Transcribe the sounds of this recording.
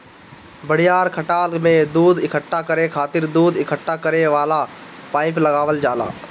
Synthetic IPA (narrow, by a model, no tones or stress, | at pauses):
bəɽ̤ɪjaːɾkʰəʈaːlmẽd̪uːd̪ɪkʰəʈːakəɾekʰaːt̪ɪɾd̪uːd̪ɪkʰəʈːakəɾeʋaːla | paːɪpləɡaːʋəld͡ʒaːla̰ː